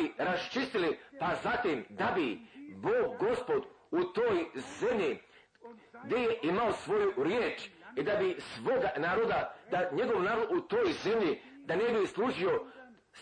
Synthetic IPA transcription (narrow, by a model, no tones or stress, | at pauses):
iɾast͡ʃist̪ilipazat̪iːmd̪abiboːɡɡo̞spo̞d̪ | ut̪oːjze̞mʎi | ɡd̪ejeʔimaosʋo̞juɾjeːt͡ʃid̪abisʋo̞ɡanaːɾo̞d̪ad̪aɲe̞ɡo̞ʋnaːɾod̪ut̪o̞ːjze̞mʎid̪anebislˠuːʒio